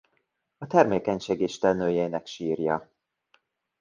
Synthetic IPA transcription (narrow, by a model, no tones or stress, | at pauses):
ɒt̪ɛrmeːkɛɲʃeːɡeːʃt̪ɛlnøːjɛjnɛkʃiːrjɒ